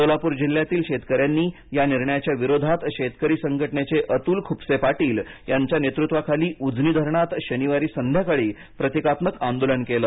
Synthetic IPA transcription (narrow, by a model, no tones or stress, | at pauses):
t̪olapuːɾd͡ʑilːjat̪iːlɕet̪kəɾjanːiː | janiɾɳəjat͡ɕjaʋiɾod̪ʱat̪ɕet̪kəɾiːsəŋɡʱəʈɳet͡seʔət̪uːlkʰuːpsepaʈiːljaɲt͡ɕjanet̪ɾut̪ʋakʰaliːʔud͡zʱniːd̪ʱəɾɳat̪ɕəniʋaɾiːsənd̪ʱjakəɭiː | pɾət̪ikat̪məkãnd̪oləɳkeləː